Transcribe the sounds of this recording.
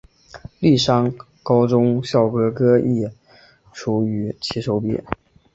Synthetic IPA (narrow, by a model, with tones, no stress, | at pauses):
li˥˩ʂɑ˥ŋ | kɑ˥ʊʈ͡ʂʊ˥ŋɕjɑ˥˩ʊkɤ˥kɤ˥i˥˩ | ʈ͡ʂʰu˧˩y˧˥t͡ɕʰi˧˥ʂo˧˥ʊpjḭ˥